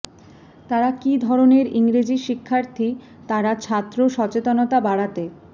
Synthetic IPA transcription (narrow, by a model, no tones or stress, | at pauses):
t̪aɾakid̪ʱɔɾoneɾiŋɾed͡ʑiʃikʰːaɾt̪ʰi | t̪aɾat͡ɕʰat̪ːɾoʃɔt͡ɕet̪onot̪abaɽat̪e